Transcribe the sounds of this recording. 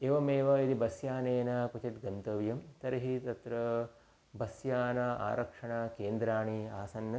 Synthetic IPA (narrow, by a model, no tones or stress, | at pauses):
eːʋɐmeːʋɐid̪ibɐsjaːneːnɐput͡ʃɐʈɡɐnt̪ɐʋjɐmt̪ɐɾɐɦit̪ɐt̪ɾɐ | bɐsjaːnɐa̰ːɾɐkʂɐɳɐkeːnd̪ɾaːɳiaːsɐnːɐ